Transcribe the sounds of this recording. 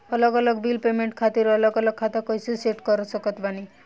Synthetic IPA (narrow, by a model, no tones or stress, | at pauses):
ɔlɔɡɔlɔɡbilpemeɳʈkʰat̪iɾɔlɔɡɔlɔɡ̚kʰːat̪akɔjsiseʈkɔɾɔsɔkɔt̪pani